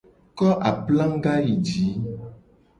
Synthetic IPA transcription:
kɔ˦ʔa˨plã˦ŋ˦ɡa˦ji˨d͡ʒi˨˦

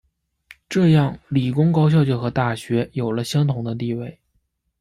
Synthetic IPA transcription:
ʈ͡ʂɤ˥˧jɑ˥˩ŋli˨˩kʊ˥ŋkɑ˥ʊɕ̬jɑ˥˧ʊt͡ɕjɔ˥˩xɤ˧˥t̪a˥˩ɕɥɛ˧˥jo˨˩ʊlə˦ɕjɑ˥ŋt̪ʰʊ˧˥ŋd̪ə˦t̪̬i˥˧we˥˩ɪ

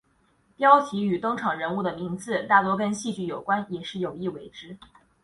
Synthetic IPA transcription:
t̪jɑ˥ʊt͡ɕʰi˧˥y˨˩t̪ʊ˥ŋʈ͡ʂʰɑ˨˩ŋɻə˧˥nu˥˩d̪ə˩mi˧˥ŋt͡sɹ̩˥˧t̪a˥˩t̪wɔ˥kə˥nɕi˥˧t͡ɕy˥˩jo˨˩ʊkwa˥njɛ˨˩ʂɻ̩˥˩jo˨˩ʊi˥˩we˧˥ɪʈ͡ʂɻ̩˥

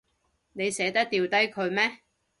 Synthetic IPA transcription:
ne˨˧jsɛː˨˥t̪ɐ˥k̚t̪iː˨wt̪ɐ˥jkʰɵ˨˧ɥmɛː˥

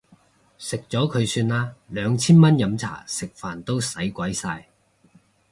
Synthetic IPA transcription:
sɪ˨k̚t͡sɔː˨˥kʰɵ˨˧ɥsyː˧nlaː˥lœː˨˧ŋt͡sʰiː˥nmɐ˥njɐ˨˧mt͡sʰa̰ː˨˩sɪ˨k̚faː˨˩nt̪o˥wsɐ˨˥jkʷɐ˨˥jsaː˧j

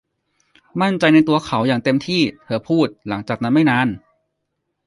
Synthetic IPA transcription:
ma˥˩nt͡ɕa˧jn˧jt̪u˧ɐkʰa˩˦wjaː˨˩ŋt̪e˧mt̪ʰiː˥˩t̪ʰɤː˩˦pʰuː˥˩t̪̚la˩˦ŋt͡ɕaː˨˩k̚na˦˥nma˥˩jnaː˧˥n

